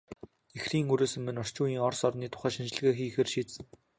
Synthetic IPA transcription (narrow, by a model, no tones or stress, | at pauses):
exriːŋɵɾeːsɘ̆mːɘ̆nɔr̥t͡ɕʊːjiːŋɔrsɔrniːt̪ʰʊ̥χæːʃint͡ɕɪ̆ɮɣeːxiːxeːrʃiːt̪sɘ̆ŋ